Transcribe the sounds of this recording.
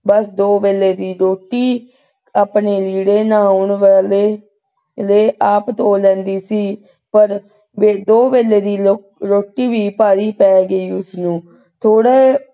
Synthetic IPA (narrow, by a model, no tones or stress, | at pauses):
bəsd̪oːbeːleːd̪iːɾoːʈːiː | aːpneːliːɽeːnaːʊɳʋleː | leːʔaːpt̪oːlɛ̃ːnd̪iːsiː | pəɾ | ʋeːd̪oːbeːleːd̪iːlo | ɾoːʈːiːʋiːpaːɾiːpɛːɡəiːʊsnũː | t̪ʰoːɽeː